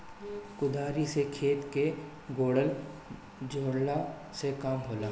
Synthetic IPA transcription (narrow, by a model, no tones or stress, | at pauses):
kʊd̪ʱaːɾisekʰeːt̪ke | ɡoːɽəl | d͡ʒoːɽla | sekaːmɦoːlaː